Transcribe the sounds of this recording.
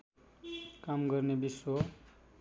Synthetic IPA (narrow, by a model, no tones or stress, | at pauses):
kamɡʌrnebiswo